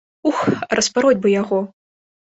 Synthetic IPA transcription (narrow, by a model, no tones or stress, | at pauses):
uxrʔɐspaɾɔd͡zʲbɨjaɣɔ